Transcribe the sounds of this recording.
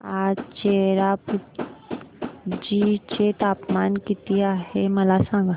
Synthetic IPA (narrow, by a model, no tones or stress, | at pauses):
aːt͡ʃeːɾapu | d͡ʒit͡ʃet̪aːpmaːnkit̪iaɦemɐlasãŋɡa